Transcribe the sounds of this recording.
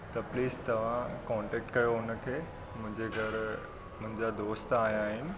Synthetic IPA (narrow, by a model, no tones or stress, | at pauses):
t̪ɐpliːst̪ɐʋ̤ãkɔ̃ːɳʈɛːk̚ʈkɐjoʊnəkʰeː | mʊ̃ɦɪ̃ɲd͡ʑeɡʱɐɾ | mʊ̃ɦɪ̃ɲd͡ʑad̪oːst̪aːɦijaːɦɪnɪ̆